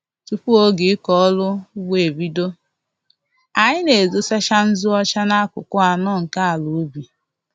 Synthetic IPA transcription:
tu˨pu˦o˦ɡɪ˨˦kɔ˦lʊ˦ɡʷe˦˨e˨bi˦do˦ | a˨ɲɪ˦ne˨zo˨sa˦ʃa˦n̩˦zʊ˦ɔ˦t͡ʃa˦na˦a˦kʊ̰˨kʊ˦a˨nɔ˦˨ŋ̩˨ka˦a˨lo˨˦bi˨

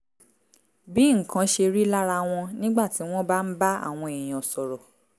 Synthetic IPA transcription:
bi˨˦ŋ̩˨kã˨˦ʃe˧ɾi˦la˦ɾa˧w̃ɔ̃˧nĩ˦ɡ͡ba˦˨ti˨˦w̃ɔ̃˦ba˦n̩˦ba˦a̰˦˨w̃ɔ̃˧e˨j̃ɔ̃˨sɔ˨ɾɔ˨

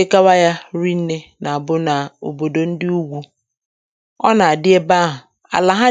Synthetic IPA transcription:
e˦ka˦wa˦ja˦ɾi˦n̩˦ne˦na˨a˨bʊ˦na˨o̰˨bo˨do˨n̩˦dɪ˦u˦ɡʷu˦ | ɔ̰˦na˨a˨dɪ˦e˦ba˦ɦʊ˨ | a̰˨la˨ɦa˦

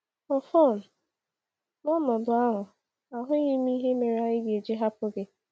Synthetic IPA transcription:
ɔ˨fɔ˦˨n̩˨ | nɔ˦nɔ˨dʊ˨a˦ɦʊ˨ | a˨ɦʊ˦ɣɪ˦mi˦ɦe˦me˨ɾa˦ɣɪ˦ɡe˨d͡ʒe˦ɦa˦pʊ˦ɡe˦

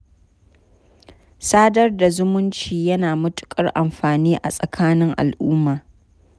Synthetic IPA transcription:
saː˦dɐ˦rda˨zʊ˦mʊ˦nt͡ʃiː˨jɐ˦naː˨mʊ˦tʊ̥˨kʼɐ˦rʔa˨mɸaː˨niː˦ʔa̰˨sʼɐ˨kʰaː˦nɪ˦ŋʔa̰˨lʔʊː˦mːaː˨

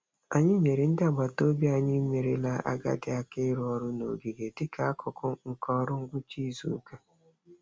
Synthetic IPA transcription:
a˨ɲɪ˦me˨ɾi˨n̩˦dɪ˦a˨ɡ͡ba˨to˦bi˦a˦˨ɲɪ˦me˨ɾe˨la˦a̰˦ɡa̰˦dɪ˦a˦kɪ˦ɾɔ˦ɾʊ˦no̰˨ɡi˨ɡe˨dɪ˦kʰa˨a˦kʰʊ˨kʰʊ˦ŋ̩˨kɔ˦ɾʊ˦ŋ̩˦ɡʷʊ˦t͡ʃi˦zṵ˨˦ke˦

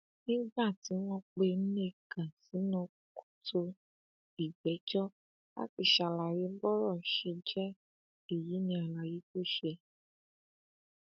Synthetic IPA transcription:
nĩ˦ɡ͡ba˦˨ti˨˦w̃ɔ̃˧˦k͡pe˧n̩˦ne˦˨kã˨si˨˦nɔ̃˧ | ku̥˦tʰo˧ | i˨ɡ͡bɛ˨˦t͡ʃɔ˦ | a̰˦ki˨ʃa˨la˨je˨˦bɔ˦ɾɔ˦˨ʃe˧d͡ʒɛ˦ | e˦˨ji˨˦nĩ˧a˨la˨ji˦ko˦˨ʃɛ˧

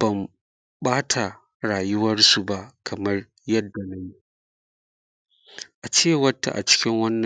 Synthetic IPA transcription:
b̥ɐ˨m | ɓaː˦tʰa˨ | ɾaː˨jʊ˦wɐ˦rsu˨ba˦ʔkʰɐ˨mɐ˦r | jɐ˦dːa˨na˦ji˦ | ʔa˨t͡ʃeː˦wɐ˦tːa̰˨ʔa̰˨t͡ʃɪ̥˦kʲɪ˦ŋwɐ˦nːɐ˨

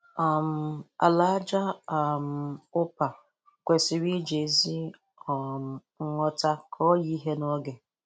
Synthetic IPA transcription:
a˨m̩˨˦a̰˨la˦d͡ʒa˦a˨m̩˨ʊ˦pa˨ | kʷe˨sɪ˨ɾi˦d͡ʒe˨˦zi˦ | ɔ˨m̩˨ | ŋ̩˦ŋɔ˦ta˦kʰɔ˦ji˦ɦe˦nɔ˦ɡe˨

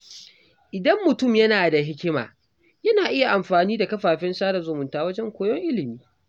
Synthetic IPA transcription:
ʔɪ˨dɐ˦mːʊ˨tʊ˦˨mjɐ˦naː˨da˨ɦɪ˦kʲɪ˦ma̰ː˨ | jɐ˦naː˨ʔɪ˦ja˨ʔa˨mɸaː˨niː˦da˨kɐ˦ɸaː˨ɸɪ˦nsaː˦ɾa˨zʊ˨mʊ˨ntaː˦wɐ˦d͡ʒɛ˦ŋkʷoː˦jɔ˦ŋʔɪ˦lɪ˨miː˦

